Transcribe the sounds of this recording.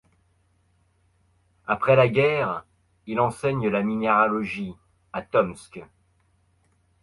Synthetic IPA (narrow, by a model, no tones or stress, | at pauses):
apχɛlaɡʲɛʁ | ilɑ̃sɛɲəlamineʁalɔʒi | at̪ɔmsk